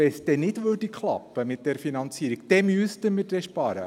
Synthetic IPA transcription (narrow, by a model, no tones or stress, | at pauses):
ɛsdɛnɪdʋørd̥ikχlɑ̰pːəmɪt̚d̥ɛɾfinɑnt͡siəɾikd̥ɛmyəstəmɪːdɛʃpɑːɾə̰